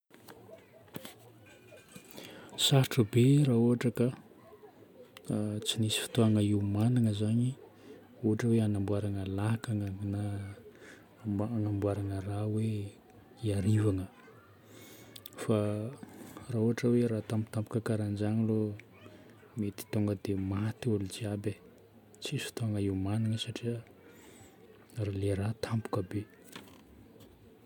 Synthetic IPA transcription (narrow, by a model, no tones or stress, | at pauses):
saɾʈ͡ʂəbeɾauɦaʈ͡ʂəka | t͡sinisi̥fi̥t̪oaŋəiwmanaŋəzaɲi | uɦaʈ͡ʂəweanambuaɾaŋəlaɦakaŋəna | aŋambuaɾaŋərawe | iaɾivaŋə | fa | rauɦaʈ͡ʂəweɾat̪ampu̥t̪ampu̥kəkaɾand͡ʒaŋəlo | met̪i̥t̪oŋɡəd̪emat̪ulud͡ʒiabe | t͡sisu̥t̪oaŋəiwmaniŋəsaʈ͡ʂiə | raleɾat̪ʰampu̥kəbe